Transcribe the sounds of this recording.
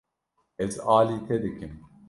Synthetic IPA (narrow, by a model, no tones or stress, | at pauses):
ɛzaːliːt̪ʰɛd̪ɨkɨm